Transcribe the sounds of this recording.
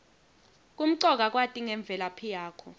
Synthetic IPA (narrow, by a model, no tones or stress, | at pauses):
kʼum̩ǀɔk̬ʼak̬ʼwatʼiŋɛɱb̪vʱɛlapʰijaːkʰɔ